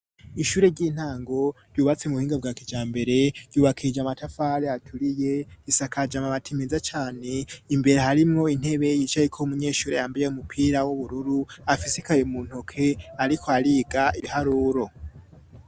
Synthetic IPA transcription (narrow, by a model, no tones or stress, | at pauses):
iʃuːɾe̞ɾɟiːn̥haːŋɡo̞ɾ̥juːβat͡semuβuhiːŋɡab̚ɡaːkid͡ʒaːmbe̞ɾe̞ɾ̥ɟuːβakʰid͡ʒamatafaɾeatʰuɾijeɡisakʰad͡ʒamaβatʰimezat͡ʃaːne̞imbe̞ɾehaɾimŋo̞in̥he̞βe̞jiːt͡ʃajekʰoumuɲe̞ːʃuːɾe̞̰jaːmbajeumupʰiːɾawuβuɾuɾuafisi̥kaɾemuːn̥hokʰe̞aɾikʰoaɾiːɡaʔiβihaɾuːɾo̞